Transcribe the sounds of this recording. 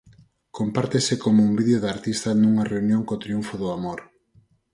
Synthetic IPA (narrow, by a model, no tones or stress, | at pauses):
kompaɾt̪esɪkomʊumbiðjoðaɾt̪ist̪ɐnuŋɐreunjoŋkot̪ɾiuɱfʊðʊamoɾ